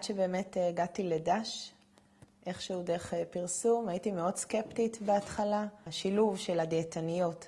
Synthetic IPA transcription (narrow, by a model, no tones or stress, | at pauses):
atʃebe̞ːme̞tːɡatiledaʃ | ʔe̞χʃeude̞eχpiʁsumajitimeo̞dskeptitbeatχalaʃiluvʃe̞ladetʰanijo̞t